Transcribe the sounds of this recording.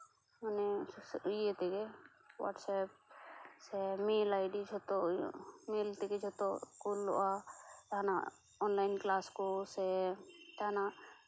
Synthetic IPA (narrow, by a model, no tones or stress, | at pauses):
mɔnɛssujɛt̪ɛɡɛ | wa̰ʈsɛp̚sɛmelajɖid͡ʒʰʱɔt̪ɔ̰melt̪ɛɡɛd͡ʒʱɔt̪ɔkulːɔ̰ʔataɦana | ɔnlajnklaskɔsɛʈ̪aɦna